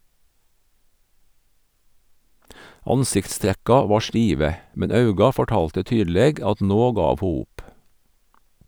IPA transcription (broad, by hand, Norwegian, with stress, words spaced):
ˈɑnsɪktˌstɾækɑ ˈʋɑː ˈʃʈiːʋə ˈmɛn ˈɑʉɡɑ fɔˈʈɑːltə ˈtyːdl̩ˌeːɡ ˈɑt ˈnoː ˈɡɑːʋ ˈhuː ˈʊp